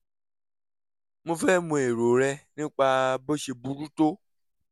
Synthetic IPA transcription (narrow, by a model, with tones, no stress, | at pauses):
mũ˦fɛ˦mũ˨e˨ɾo˨ɾɛ˧nĩ˦k͡pa˧bo˦ʃe˧bu˧ɾu˦to˦